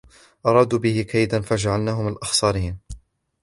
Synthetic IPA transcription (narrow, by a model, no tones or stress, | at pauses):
ʔɑɾˤɑːd̪uːbɪhɪkʰajd̪anfad͡ʒaʕalnaːɦʊmalʔɑxsˤɑːɾiːn